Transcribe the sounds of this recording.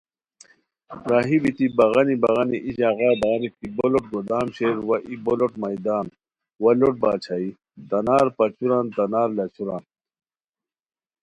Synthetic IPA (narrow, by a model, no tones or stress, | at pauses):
ɾaːɦibit̪ibɐɣɐnibɐɣɐniʔiɕaːɣaːd̪aːnik̪iboloʈ̚ɡod̪aːmɕeːɾwɐʔiboloʈmɐjd̪aːn | wɐloʈ̚baːt͡ɕʰai | t̪ɐnaːɾpɐt͡ɕuɾant̪ɐnaːɾlɐt͡ɕʰuɾaːn